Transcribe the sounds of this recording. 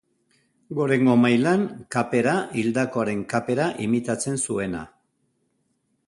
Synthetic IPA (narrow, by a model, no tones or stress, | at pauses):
ɡo̞ɾe̞ŋɡo̞majlaŋkape̞ɾaild̪ako̞aɾe̞ŋkape̞ɾaʔimit̪at͡se̞nsue̞na̰